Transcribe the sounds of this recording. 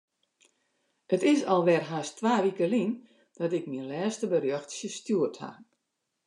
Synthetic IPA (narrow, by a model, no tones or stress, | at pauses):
ətɪsɔlˠʋɛrɦaːstʋaːʋikəlin | d̥ɔtɪk̚minlɛːstəbərjɔxtsjəstjuətha̰